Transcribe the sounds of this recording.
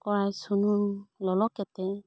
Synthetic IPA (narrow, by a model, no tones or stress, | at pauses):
kɔɹajsununlɔlɔkɛtɛ